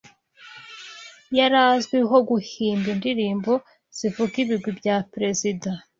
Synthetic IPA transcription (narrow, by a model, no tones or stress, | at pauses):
jaɾazɡwiɦo̞ɡuhiːmbindiɾiːmbo̞ | z̥ivukiβiɡwibjapɾe̞zida